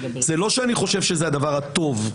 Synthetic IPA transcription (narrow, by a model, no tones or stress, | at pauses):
zelo̞ʃeaniχo̞ʃe̞vʃezead̪avaʁhat̪o̞v